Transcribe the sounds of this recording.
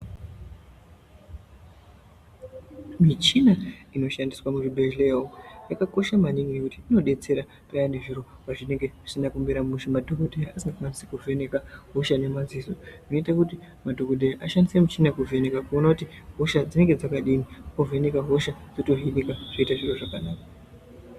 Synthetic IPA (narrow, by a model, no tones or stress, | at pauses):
mit͡ʃinaino̞ʃandiswamuribʱeʒlejaokujakako̞ʃamaniŋɡinekutiino̞ɗe̞t͡se̞ɾa | pajane̞ʐiɾo̞paʐine̞ŋɡe̞ʐisinakumbiɾamuʃimadʱo̞kodʱejaasiŋɡawanisekuve̞ne̞kaɦoʃane̞mazizoʐino̞itakuti | madʱo̞ɡodʱejaʔaʃandisemut͡ʃinakuvʱe̞ne̞kakuonakuti | ɦo̞ʃad͡zine̞ŋɡe̞d͡zakaɗinikove̞ne̞kaɦo̞ʃad͡zoto̞ɦinikaʐ̥oitaʐiro̞ʐakanaːka